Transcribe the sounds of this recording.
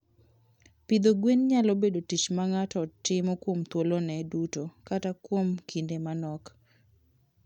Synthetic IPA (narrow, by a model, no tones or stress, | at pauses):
pɪd̪oɡwenɲalɔbedotit͡ʃmaŋatɔtːɪmɔkwomt̪wolonɛdutokatakwomkʰindemanɔk